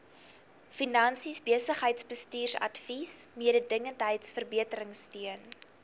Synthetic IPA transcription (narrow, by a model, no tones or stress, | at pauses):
finɐnsisbiəsəχɦəjtsbəstyːrsɐ̰tfismiəɾədəŋəntɦəjtsfərbiətəɾəŋstyən